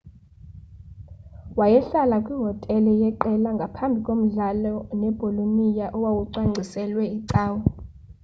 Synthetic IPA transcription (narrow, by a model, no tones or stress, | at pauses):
wajɛɬalakʼwiɦɔtʼɛlɔjɛǃɛlaŋɡʱapʰambʱikʼom̩ɮalɔnɛb̥ʱolonijaʔɔwawuǀwaŋ͡ǀʱisɛlwɛiǀaːwɔ